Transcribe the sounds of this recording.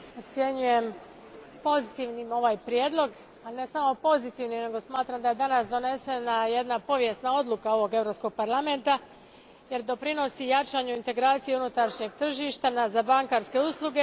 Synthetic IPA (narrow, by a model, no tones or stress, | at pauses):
ot̪sje̞ɲuje̞m | po̞zit̪iʋnimo̞ʋaːjpɾjed̪lo̞ɡ | ane̞samo̞po̞zit̪iʋnimne̞ɡo̞smaːt̪ɾamd̪aje̞d̪anasd̪o̞ne̞se̞naje̞d̪napo̞ʋje̞snao̞d̪lˠukao̞ʋo̞ɡe̞vɾopsko̞ɡ̚paɾlame̞nt̪a | je̞ɾd̪o̞pɾino̞sijat͡ʃaɲuint̪e̞ɡɾaːt̪sijeunut̪aɾʃɲe̞ɡ̚t̪r̩ʒiʃt̪anazabaŋkaɾske̞uslˠuɡe̞